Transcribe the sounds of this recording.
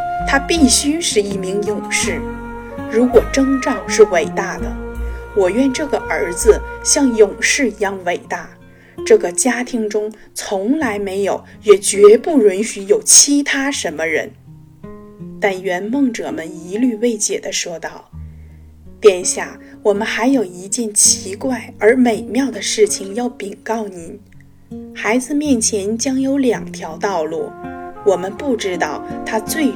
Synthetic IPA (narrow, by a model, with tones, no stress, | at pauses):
t̪ʰa˥pi˥˩ɕy˥ʂɻ̩˥˧i˥˩mi˧˥ŋjʊ˨˩ŋʂɻ̩˥˩ | ɻu˧˥kwɔ˨˩ʈ͡ʂɤ˥ŋʈ͡ʂɑ˥˧ʊʂɻ̩˥˩we˨˩ɪt̪a˥˩d̪ə˩wɔ˨˩ɥɛ˥˧nʈ͡ʂɤ˥˩ɡə˩ʔə˞˧˥d͡zɹ̩˧ɕjɑ˥˩ŋjʊ˨˩ŋʂɻ̩˥˩i˧˥jɑ˥˩ŋwe˨˩ɪt̪a˥˩ | ʈ͡ʂɤ˥˩ɡə˩t͡ɕja˥t̪ʰi˥ŋʈ͡ʂʊ˥ŋ | t͡sʰʊ˧˥ŋla˧˥ɪme˧˥ɪjo˨˩˦ʊjɛ˨˩t͡ɕɥɛ˧˥pu˥˩ɻwə˧˥nɕy˧˥jo˨˩ʊt͡ɕʰi˧˥t̪ʰa˥ʂə˧˥nmə˧ɻə̰˧˥n | t̪a˥˩nɥɛ˧˥nmɤ˥˧˩ŋʈ͡ʂɤ̰˨˩mə˦ni˧˥ly˥˧we˥˧ɪɕjɛ˨˩d̪ə˦ʂwɔ˥t̪ɑ˥˩ʊ | t̪jɛ˥˩nɕja˥˩wɔ˨˩mə˦nxa˧˥ɪjo˨˩ʊi˧˥t͡ɕjɛ˥˩nt͡ɕʰi˧˥kwa˥˩ɪə˞˧˥me˨˩ɪmjɑ˥˩ʊd̪ə˩ʂɻ̩˥˩t͡ɕʰi˩ŋjɑ˥˩ʊpi˨˩ŋkɑ˥˩ʊni˨˩˦n | xa˧˥ɪd͡zɹ̩˧mjɛ˥˩nt͡ɕʰjɛ˧˥nt͡ɕjɑ˥ŋjo˧˥ʊljɑ˨˩ŋt̪ʰjɑ˧˥ʊt̪ɑ˥˧ʊlu˥˩wɔ˨˩mə˦npu˥˩ʈ͡ʂɻ̩˥t̪ɑ˥˩ʊt̪ʰa˥t͡swe˥˩ɪ